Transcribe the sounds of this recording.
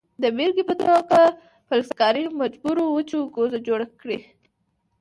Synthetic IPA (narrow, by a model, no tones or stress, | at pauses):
d̪əbeɾɡipət̪oɡa | pəlskɑɾimad͡ʒbuɾowət͡ʃuɡozad͡ʒoɽakɽi